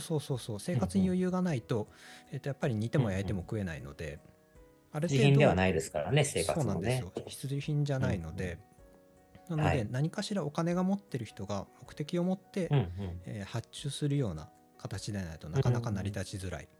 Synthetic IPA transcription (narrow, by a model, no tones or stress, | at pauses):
so̞ːso̞ːso̞ːse̞ːkat͡sɨɲijojɯ̟ːɡanait̪o̞e̞t̪ːojapːaɾʲiɲ̟it̪e̞mo̞jait̪e̞mo̞kɯ̟e̞naino̞̰d̪e̞̰ | aɾetieĩnd̪odeanaid̪esɨ̥ka̰ɾa̰neseːkaso̞ːnãd̪esɨjo̞çi̥t͡sɨʑiçĩɲ̟d͡ʑanaino̞d̪e̞ | nanod̪e̞naɲ̟ikaɕiɾao̞kane̞ɡamo̞t̪ːe̞ɾɯ̟çi̥t̪o̞ɡamo̞kɯ̟̥t̪e̞kʲio̞mo̞t̪ːe̞ehat͡ɕːɨːsɨɾɯ̟jo̞ːna̰ | kat̪at͡ɕid̪enait̪o̞nakanakanaɾʲid̪at͡ɕizɨɾa̰ḭ